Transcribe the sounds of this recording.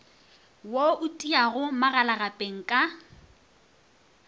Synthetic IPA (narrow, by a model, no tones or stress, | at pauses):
woʊtʼiaɣʊmaɣalaɣapʼeŋ̩kʼa